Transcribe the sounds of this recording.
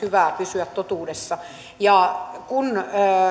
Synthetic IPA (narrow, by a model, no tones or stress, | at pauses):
yʋæˑpysyæt̪t̪ot̪uːdesːɑ | jɑkunː